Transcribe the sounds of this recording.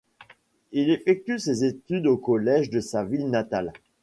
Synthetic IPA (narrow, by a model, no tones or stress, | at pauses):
ilefɛk̚t̪ysezet̪yd̪okɔlɛʒd̪əsavilnat̪al